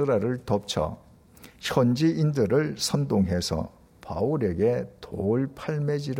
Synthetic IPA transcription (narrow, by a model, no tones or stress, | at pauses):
ɯɾaɾɯɭtʌp̚t͡ɕʰʌ̰ | ɕʰʌnd͡ʑiindɯɾɯɭsʰʌndoŋɦe̞sʰʌ̰ | pa̰uɾe̞ɡe̞toɭpʰaɭmed͡ʑiɾ